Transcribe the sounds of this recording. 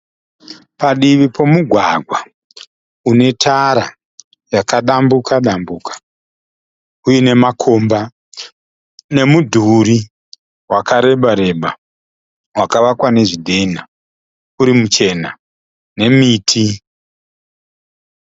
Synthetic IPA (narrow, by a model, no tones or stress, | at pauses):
paɗiʋipʰo̞muɡʱwaɡʱwa | une̞tʰaɾa | jakaɗambukaɗambukḁ | ujine̞makʰo̞mba | ne̞mudʱuɾi | wakaɾe̞ɓaɾe̞ɓa | wakaʋakwane̞ʐidʱe̞na | uɾimut͡ʃe̞na | ne̞miːtʰi